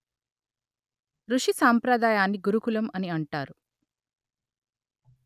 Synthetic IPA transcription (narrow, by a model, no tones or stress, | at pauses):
ɾuʂisaːmpɾɐd̪aːjaːnːiɡuɾukulɐmɐniɐɳʈaːɾu